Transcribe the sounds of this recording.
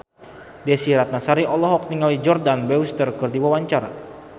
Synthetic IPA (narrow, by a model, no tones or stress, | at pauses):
dɛsiɾat̪̚nasaɾiɔlɔɦɔk̚niŋalid͡ʒɔrdanbɛust̪ərkɨrdiwawaɲt͡ʃaɾa̰